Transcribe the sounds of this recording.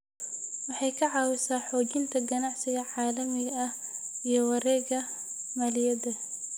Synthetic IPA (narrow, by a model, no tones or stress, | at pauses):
wɑħɑjkʰɐʕɑːwɪsaːħɔːd͡ʒɪnt̪ʰɐɡɐnɑʕsɪɣɐʕaːlɐmɪɣɐɐh | ijɔwɑɾɛːɣɐ | maːlɪjɐdɐ